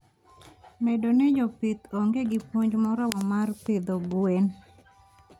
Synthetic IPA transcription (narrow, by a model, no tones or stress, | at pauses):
mɛdonɛd͡ʒɔpit̪oŋɡeɡɪpwoɲd͡ʒmɔɾɔwɔmart̪ɪd̪obwen